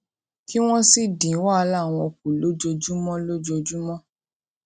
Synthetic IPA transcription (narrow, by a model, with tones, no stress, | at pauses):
ki˦w̃ɔ̃˦si˦dĩ˨˦wa˦a˧la˦˨w̃ɔ̃˧˨k̚u˨lo˦d͡ʒo˧d͡ʒu˦mɔ̃˦lo˦d͡ʒo˧d͡ʒu˦mɔ̃˦